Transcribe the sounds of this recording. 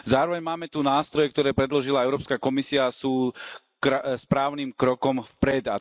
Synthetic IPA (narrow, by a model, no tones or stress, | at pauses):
zaːɾɔʋɛɲmaːmɛt̪unaːst̪ɾɔjɛk̚t̪ɔɾɛːpɾɛd̪lɔʒilaɛʊɾɔːpskakɔmisiasuː | kɾspɾaːʊniːmkɾɔkɔmfpɾɛd̪a̰